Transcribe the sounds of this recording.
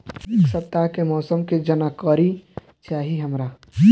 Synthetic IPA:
ksəpt̪ːakemɔːsəmked͡ʒənakɔɾi | t͡ʃaːɦiɦəmɾa

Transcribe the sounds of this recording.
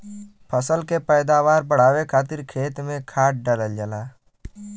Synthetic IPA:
pʰəsəlkepɛːd̪aʋaːɾbəɽ̤aːwekʰaːt̪ɪɾkʰeːt̪mẽkʰaːʈ̚ɖəɾəld͡ʒəlaː

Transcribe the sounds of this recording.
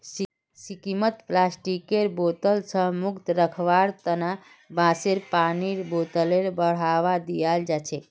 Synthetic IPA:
sikimət̪plasʈikeɾbot̪əlsə̃mukt̪ɾəkʰʋaɾt̪əna | bãseɾpaniɾbot̪əleɾbəɽ̤aʋad̪ijald͡ʒat͡ʃʰɛ

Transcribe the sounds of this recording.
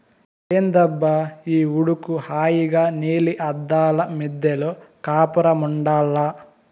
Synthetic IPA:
eːnd̪ɐbːɐiːuɽukuhaːjiɡaːniːliʔɐd̪ːaːlɐmid̪jɐloːkaːpɐɾɐmuɳɖaːlːa

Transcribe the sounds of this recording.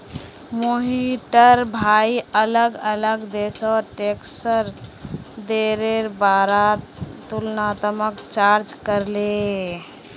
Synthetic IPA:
moɦiʈəɾbʱaiələɡələɡd̪esɔːɾʈeksəɾ | d̪eɾeɾbaɾa | t̪ulnaːt̪əməkt͡ʃaɾd͡ʒkəɾle

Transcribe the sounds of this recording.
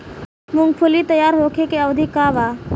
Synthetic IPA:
mʊ̃ŋɡpʰʊliːt̪əjaːɾɦoːkʰeːkeəʋd̪ʱiːkaːʋaː

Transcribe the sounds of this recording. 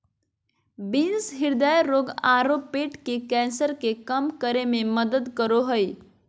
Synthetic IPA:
binsɦiɾd̪əjɾoɡaɾopːeʈkekɛ̃nsəɾkekəmkəɾemẽməd̪əd̪kəɾoɦəj

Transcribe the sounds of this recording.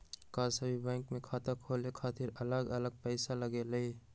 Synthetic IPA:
kasəbʱibɛ̃ːŋkmẽkʰaːt̪əkʰoːlekʰaːt̪iɾələɡələɡ̚pəɪsaləɡeləi

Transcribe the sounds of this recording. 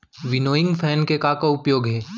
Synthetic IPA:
ʋɪnoːɪ̃ŋɡpʰɛːnkekaːkaʊpjoːɡɦɛː

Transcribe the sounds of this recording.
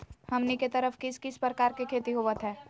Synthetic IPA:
hɐmniket̪əɾəfkɪskɪspɾəkaːɾkekʰeːt̪iɦoːʋət̪ɦɛː

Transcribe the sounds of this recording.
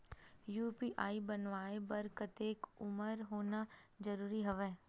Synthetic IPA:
juːpiʔaːibənʋaːebɐɾkət̪eːkʊməɾɦoːnad͡ʒɐɾuːɾiɦɐʋɛ̃ː

